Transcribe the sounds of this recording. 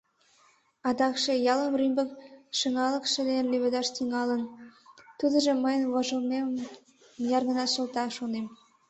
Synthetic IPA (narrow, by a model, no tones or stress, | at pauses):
ɑd̪ɑkʃejɑləmrymbəkʃəŋɑləkʃə̆d̪enleβed̪ɑʃt̪iŋɑlənt̪ud̪ə̆ʒĕməjənβoʒə̆lnemm | jɑrɣə̆nɑʃə̆lt̪ɑʃonem